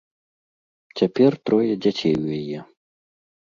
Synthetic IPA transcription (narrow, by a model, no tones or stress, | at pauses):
t͡sʲapʲɛrt̪ɾɔjɛd͡zʲat͡sʲejujajɛ